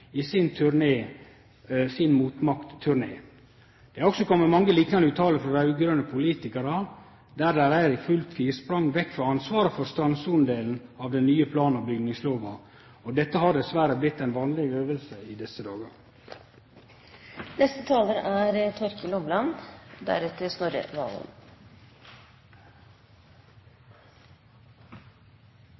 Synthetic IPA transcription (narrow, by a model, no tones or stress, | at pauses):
ɪsɪnt̪ʰʉɾneː | sɪnmuːt̪mɑkt̪ʰːʉɾɳeː | d̪̥ɛɾɔksɔkʰɔmːəmɑŋːəliːknɑnʉːt̪ʰɑːləfɾɔd̪æʉːɡɾœnəpʰʊliːt̪ɪkəɾɑ | d̪æɾd̪æɪɾæɪɾɪfʉlt̪ʰiːspɾɑŋːʋɛkːfɾɑɑnsʋɑːɾəfɔɾst̪ɾɑnsʊnd̪eːln̩ɑʋd̪ɛnːyːəpʰlɑːnnɑbʏɡnɪŋsloːʋɑ | od̪ɛt̪ːəhɑd̪ɛsʋæɾəblɪt̪ːæɪnʋɑːnlɪɡøːʋəlsəid̪ɛsəd̪ɑːɡə̰ɾ | nɛst̪ət̪ʰɑːləɾʔæɾt̪ʰɔɾkəlʊmlɑnd̪æ̰ɾɛt̪ːəsnɔɾə̰ʋɑ̰ːl̰n